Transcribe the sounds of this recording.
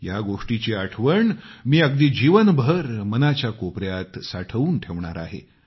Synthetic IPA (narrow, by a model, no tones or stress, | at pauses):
jaɡoʂʈit͡ɕeaʈʰʋəɳmiːəɡd̪iːd͡ʑiʋənbʱəɾmənat͡ɕjakopɾjat̪saʈʰəʋuːnʈʰeʋɳaɾa̰ɦḛ